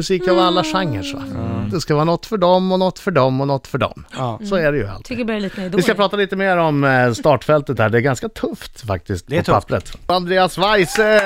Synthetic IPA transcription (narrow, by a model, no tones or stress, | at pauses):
mɵsiːkavalːaɧaŋːəʂʋa̰d̪ɛskavɑːnɔt̪ːfœɖɔmːɔnɔt̪ːfœɖɔmːɔnɔt̪ːfœɖɔ̰msɔæɖɛjɵ̰a̰lt̪ʰːbliːt̪ɪskapʰɾɑːt̪aliːt̪əmeːɾɔmst̪ɑːʈfɛlt̪ət̪hæːɖɛæɾɡanskat̪ʰɵft̪fak̚t̪ɪskt̪ɔpapːɾə̰t̪and̪ɾeːasvajs